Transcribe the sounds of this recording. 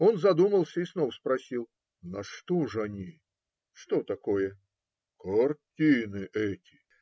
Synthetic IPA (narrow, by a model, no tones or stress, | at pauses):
onzɐd̪uməlˠsʲəisnovəspɾɐsʲilˠ | nɐʂt̪ɔʐɐnʲi | ʂt̪ot̪ɐkojɛ | kɐrtʲinɨʔɛtʲɪ̥